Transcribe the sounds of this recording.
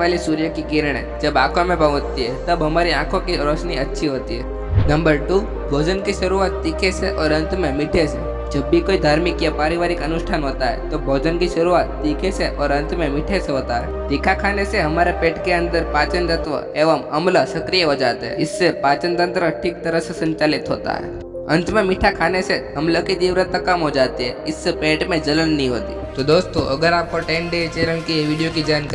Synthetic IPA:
alisuɾjəkikiɾɽ̃ḛ | d͡ʒəba̰ːkʰamẽpəʋot̪ːiet̪əbɦəmaɾiãkʰokiɾot͡ʃniətːʃʰiɦoːt̪ie | nəmbəɾʈu | bʱoːd͡ʒənkiʃɐɾuʋat̪ːikʰeseʔɔːɾə̃nt̪memɪʈʰese | d͡ʒəbːikoːid̪ʱaːɾmikjapaːɾiʋaɾikənuʃʈʰanɦoːt̪aɦḛt̪obʱoːd͡ʒənkiʃɐɾuʋat̪ːikʰeseʔɔːɾə̃nt̪mẽmɪʈʰeseɦoːt̪aɦḛt̪ikʰakʰaːneseɦɐmaːɾepeːʈkeə̃nd̪əɾpaːt͡ʃənt̪ət̪ʋə̰eːʋəmɐmləsɐkɾijəɦod͡ʒaːt̪eɦɛ̰ɪsːepaːt͡ʃənt̪ənt̪ɾəʈʰiːk̚t̪əɾəsesɐ̃ɲt͡ʃaːlɪt̪ɦo̰ːt̪a̰ɦɛ̰ | ɐ̃nt̪mẽmɪʈʰakʰaːneseɦɐmlokid̪iːʋɾət̪əkːɐmɦod͡ʒaːt̪iɦɛɪsːepeːʈmẽd͡ʒɐlənːəɦĩɦo̰ːt̪i | t̪od̪oːst̪oʔɐɡəɾaːp̚koʈeːnɖet͡ʃeːlənkiʋɪɽijokid͡ʒaːnk

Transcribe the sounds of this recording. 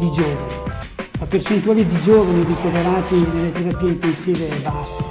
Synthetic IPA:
d̪id͡ʒoːvani | apert͡ʃent̪uaːlid̪id͡ʒoːvanirikoveɾaːt̪inelːet̪eɾapiːeint̪ensiːvebasːe̥

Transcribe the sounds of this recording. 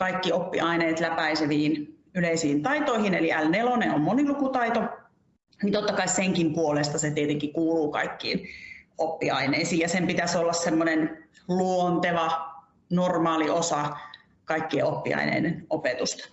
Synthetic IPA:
kɑikːiopːḭʔɑineːt̪læpæiseʋiːnyleisiːnt̪ɑit̪oihineliælneloneommonilukut̪ɑit̪o | nint̪ot̪ːɑkɑisseŋkimpuolest̪ɑset̪iet̪eŋkikuːluːkɑ̰ikːḭːnopːḭɑ̰ineisiːjɑsempit̪æsolːɑssemːonenluont̪eʋɑ | normɑːliosɑ | kɑikːieopːḭɑ̰inḛˑidenopet̪ust̪ɑ̥

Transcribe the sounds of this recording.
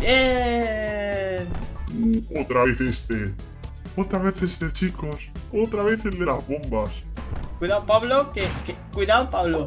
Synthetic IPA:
bje | n | ot̪ɾaβeθest̪e | ot̪ɾaβeθest̪et͡ʃikosot̪ɾaβeθeld̪elazβombaskwiðawpaβlokekekwiðawpaβlo

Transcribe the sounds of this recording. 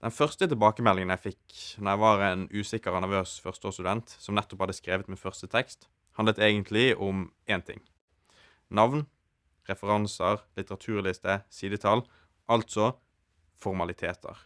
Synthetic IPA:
d̪̥ɛnfœʁst̪ət̪ɪlbɑːkəmɛlːɪŋənjæɪfɪknɔʁjæɪʋɑʁeːnʉːsɪkːəʁɔnæʁʋøːsfœʁst̪ost̪ʉd̪ɛnt̪sɔmnɛt̪ːɔ̥phɑd̪ːəskʁeːʋət̪mɪnfœʁst̪ət̪ʰɛkst̪ | hɑnd̪ət̪eːɡənt̪ʰlɪʔɔm | eːnt̪ʰɪ̰ŋː | nɑʋn | ʁɛfəʁɑnsəʁlɪt̪əʁɑt̪ʰʉːʁlɪst̪əsiːd̪ət̪ʰɑl | ʔɑlt̪sɔ | fɔʁmɑlɪt̪ʰeːt̪ʰə̰ʁ

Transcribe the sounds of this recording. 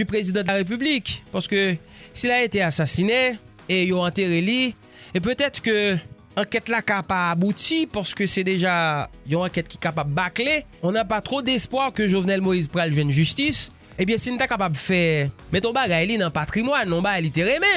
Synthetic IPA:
ypʁezid̪ɑ̃d̪laʁep̬yblikpaʁsə̥kø | silaet̪easasine | ejoɑ̃t̪eʁeli | ep̬øt̪ɛt̪ʁkø | ɐ̃kɛt̪lakapaːbut̪ipaʁsə̥køsɛd̪eʒajɔ̃ɑ̃kɛt̪̚kʲi̥kapabːakleɔ̃napat̪ʁod̪ɛspwaʁkøʒovnɛlmoizpʁalʒwɛnʒyst̪is | ẽbjɛ̃sinut̪akapablfɛmɛ̃t̪ɔ̃baɡajlinãpat̪ʁimwanːɔ̃baɡajlit̪eʁemɛ̃

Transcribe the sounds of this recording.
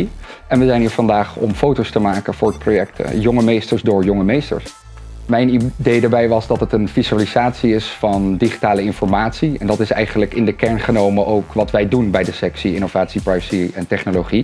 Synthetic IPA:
iɛnʋəzɛjnɦiːɹv̥ɑndaːχɔ̰mfowtostəmaːkənv̥ʊːɹdəprojɛk̚tə̰jɔŋəmejstəɹzdʊːɹjɔŋəmejstə̰ɹs | mɛjnidejdaːɹbɛjʋɑzdɑtɦətənfizaːlizaːtsiɪsfɑndiχi̥taːləɪnfɔɹmaːtsiɛndɑtɪsɛ̰jχənləkɪndəkɛɹnχənowməʔowkʋɑtʋɛjdunbɛjdəsɛksiɪnovaːtsipɹajvə̥siɛntɛχnoloχi

